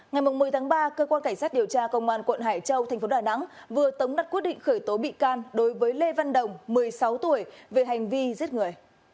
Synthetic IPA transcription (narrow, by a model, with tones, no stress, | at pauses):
ŋa˨˩jm˨˩ŋ͡mːɨ˨˩əjt̪ʰaː˨˦ŋɓaː˧kəː˧kwaː˧nka˧˩ŋ̟saː˦˥t̚ɗi˨˩əwt͡ɕaː˧kə˧wŋ͡mʔaː˧˩nkwə̰˧˨nɦaː˧˩jt͡ɕə˧wt̪ʰɛ˨˩j̟fo˨˦ɗaː˨˩na̰˧˥ŋ | vɨ˨˩ət̪ə˨˦wŋ͡mna˨˩t̚kwət̚ɗḭ˧˨ŋ̟xəː˧˩jt̪o˨˦ɓḭ˧˨kaː˧nɗo˨˦jvəː˨˦jle˧va˧nɗə˨˩wŋ͡mmɨ˨˩əjsa˨˦wt̪u˧˩əjve˨˩ɦa˨˩jŋ̟vi˧zi˦˥ət̚ŋɨ˨˩əj